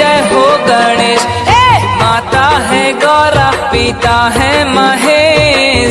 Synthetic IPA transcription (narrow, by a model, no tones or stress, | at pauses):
ɐjɦoɡəɽ̃eː | maːt̪aɦɛɡɔːɾapit̪aɦɛ̃mɐɦe